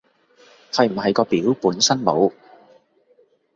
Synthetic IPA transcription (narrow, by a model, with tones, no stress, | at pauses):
hɐ˨jm̩˨˩hɐ˨jkɔː˧piː˨˥wpuː˨˥nsɐ˥nmo˨˧w